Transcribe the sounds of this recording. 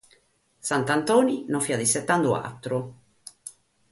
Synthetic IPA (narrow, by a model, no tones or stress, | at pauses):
sant̪ant̪ɔːninofiad̪isɛt̪ːand̪ua̰t̪ːɾu